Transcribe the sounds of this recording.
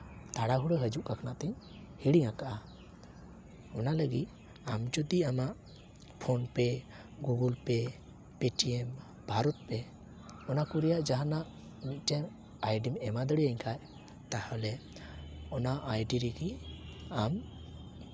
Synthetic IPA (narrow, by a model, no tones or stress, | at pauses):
t̪aɽaɦuɽəɦəd͡ʒuʔkakʰanaʔt̪ɛɲ | hiɽiŋakaʔa | ɔnaləɡḭt̪̚ | amd͡ʒud̪iamaʔ | pʰɔnpɛ | ɡuɡulpɛ | peʈiɛm | bʱaɾɔt̪̚pɛ | ɔnakuɾɛjaʔd͡ʒaɦanaʔ | mit̪̚ˀʈɛm | ajɖimɛmad̪əɽijəɲkʰaj | t̪ahɔlɛ | ɔnaʔajɖiɾiɡiam